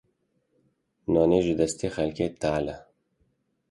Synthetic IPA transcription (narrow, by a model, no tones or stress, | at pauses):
nɔːneʒud̪ɐst̪exɐlket̪aːlɐ